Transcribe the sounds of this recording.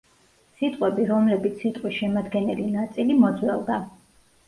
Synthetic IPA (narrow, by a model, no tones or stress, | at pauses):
sit̪ʼqʼwɛbiɾɔmlɛbit̪sʰsːit̪ʼqʼwisʃɛmad̪ɡɛnɛlinat̪sʼilimɔd̪zwɛ̰lˠd̪a